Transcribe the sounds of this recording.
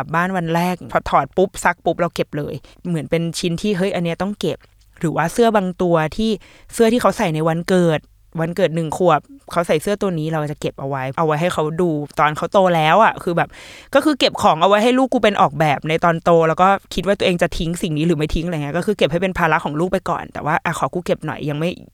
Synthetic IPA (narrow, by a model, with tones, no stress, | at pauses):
p̚baː˥˩nwa˧nɾɛː˥˩k̚pʰɔ˧t̪ʰɔː˨˩t̪̚pu˦˥p̚sa˦˥k̚pu˦˥p̚ɾa˧wke˨˩p̚lɤː˧jmɯ˩˦ənpe˧nt͡ɕʰi˧˥nt̪ʰiː˥˩ɦɤ˦˥˩jʔa˧nːi˦˥ɐt̪ɔ˥˩ŋke˨˩p̚ | ɾɯː˩˦waː˥˩sɯ˥˩ɐbaː˧ŋt̪u˧ɐt̪ʰiː˥˩ | sɯ˥˩t̪ʰiː˥˩kʰa˦˥wsa˨˩jna˧jwa˧nkɤː˨˩t̪̚ | wa˧nkɤː˨˩t̪̚nɯ˨˩ŋkʰu˨˩əp̚kʰa˦˥wsa˨˩jsɯ˥˩ɐt̪u˧ɐniː˦˥ɾa˧wʔa˨˩t͡ɕa˨˩ke˨˩p̚ʔa˧wa˦˥jʔa˧wːa˦˥jɦa˥˩jkʰa˦˥wduː˧t̪ɔː˧nkʰa˦˥wt̪oː˧lɛː˦˥wʔa˨˩kʰɯː˧bɛː˨˩p̚kɔː˥˩kɯː˧ke˨˩p̚kʰɔː˩˦ŋʔa˧wa˦˥jɦa˥˩jluː˥˩kːuː˧pe˧nʔɔ̰ː˨˩k̚bɛː˨˩p̚na˧jt̪ɔː˧nt̪oː˧lɛ˦˥wkɔː˥˩kʰi˦t̪̚waː˥˩˧əʔeː˧ŋt͡ɕa˨˩t̪ʰi˦˥ŋsi˨˩ŋniː˦˥ɾɯː˩˦ma˥˩jt̪ʰi˦˥ŋʔŋi˦˥kɔː˥˩kʰɯː˧ke˨˩p̚ha˥˩pe˧npʰaː˧la˦˥kʰɔː˩˦ŋluː˥˩k̚pa˧jkɔ̰ː˨˩nt̪ɛ̰ː˨˩waː˥˩ʔa˨˩kʰɔː˨˩˦kuː˧ke˨˩p̚nɔ̰˨˩jːa˧ŋma˥˩j